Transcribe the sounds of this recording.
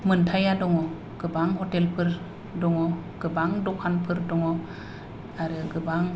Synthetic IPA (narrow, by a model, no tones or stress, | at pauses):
mɯntʰajadɔŋɔ | ɡ̥ɯbaŋɦɔtelpʰɯɾ | dɔŋɔ | ɡ̥ɯbaŋdɔkʰanpʰɯɾdɔŋɔ | aɾɯɡɯbaŋ